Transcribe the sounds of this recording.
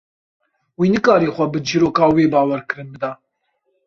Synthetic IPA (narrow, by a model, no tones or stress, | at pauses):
wiːnɨkɑːɾeːxʷɐbɨd͡ʒiːɾoːkɑːweːbɑːwɛɾkɨɾɨnbɨd̪ɑː